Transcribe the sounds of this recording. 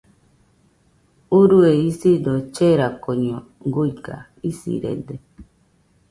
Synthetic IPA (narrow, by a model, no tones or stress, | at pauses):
uɾueisid̪ot͡ʃeɾakoɲo | ɡuika̰ | isḭɾḛd̪e